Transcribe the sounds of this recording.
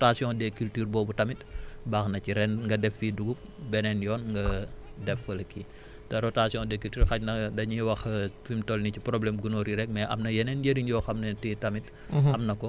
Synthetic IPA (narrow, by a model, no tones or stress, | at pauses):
tasjɔ̃dɛkyltyːrbɔːbutɐmitbaːxnɐciɾɛnŋɡɐdɛfːiduɡubɛnɛnjɔːnŋɡɐdɛfɐlɐki | tɐɾɔtasiɔ̃dɛkyltyːrxɐcnɐdɐɲiwɐxfimtɔlniciprɔblɛmɡunoːɾiɾɛk̚mɛʔɐ̰mnɐjɛnɛnjeɾiɲjɔːxɐmnɐtitɐmit | ɐmnɐkɔ